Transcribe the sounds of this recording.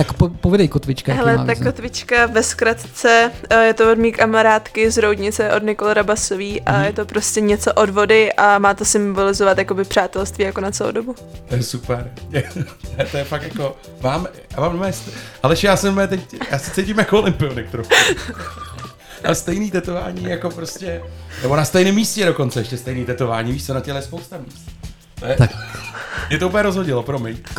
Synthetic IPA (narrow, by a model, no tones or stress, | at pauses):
t̪akpopovɛdɛjkot̪vɪt͡ʃkaɦɛlɛt̪akːot̪vɪt͡ʃkavɛskɾat̪t͡sɛjɛt̪oodmiːkamaɾaːt̪kɪzɾowdɲɪt͡sɛʔodnɪkolɛɾabasoviːʔajɛt̪o̞pɾo̞scʲɛɲɛt͡so̞ʔodvo̞dɪʔʔamaːt̪osɪmbolɪzovat̪jakobɪpr̥aːt̪ɛlst̪viːjakonat͡sɛlo̰wdobu | t̪ojɛsupɛɾt̪ɛt̪ɛt̪ojɛfakjako | maːmjaːmaːmdomɛːst̪hɛlɛt͡ʃɛjaːsɛmɛt̪ɛcjaːsɛt͡sɛjcɪmjakoolɪmpɪonɛk̚t̪ɾox | ʔa̰st̪ɛjniːt̪ɛt̪ova̰ːɲiːjako̞pɾoscɛnɛbo̞nast̪ɛjnɪmːiːscɛɾo̞ko̞nt͡sɛɛʃcɛst̪ɛjniːt̪ɛt̪ovaːɲiːviːʃt͡sɛnacɛlɛjɛspowst̪amiːst̪̚ | t̪ojɛa | mɲɛt̪ouːpl̩ɲɛɾo̞zɦoɟɪlopɾomɪɲ